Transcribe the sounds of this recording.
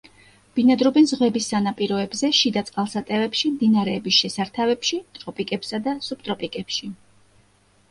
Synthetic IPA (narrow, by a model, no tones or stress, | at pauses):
b̥inad̪ɾɔbɛnzʁwɛbisːanapʼiɾɔɛbzɛʃid̪at̪sʼqʼalˠsat̪ʼɛvɛpʃimd̪inaɾɛːbisʃɛsaɾt̪ʰavɛpʃit̪ʼɾɔpʼikʼɛpsad̪asup̚t̪ʼɾɔpʼikʼɛpʃi